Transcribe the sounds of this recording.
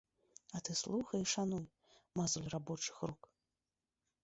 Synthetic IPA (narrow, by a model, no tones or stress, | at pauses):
ɐt̪ɨslˠuxɐjɛʂanuj | mazulʲrabɔt͡ʂɨ̥xruk